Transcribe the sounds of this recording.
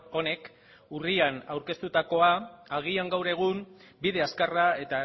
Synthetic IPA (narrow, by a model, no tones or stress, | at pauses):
o̞ne̞k | urianawɾke̞st̪ut̪ako̞aːɣ̞iaŋɡawɾe̞ɣ̞umbiðe̞askarae̞t̪a